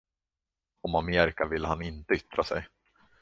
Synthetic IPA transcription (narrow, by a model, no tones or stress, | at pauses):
ɔmameːɾɪkavɪlːəhanɪnt̪əʏt̪ɾasɛ̰j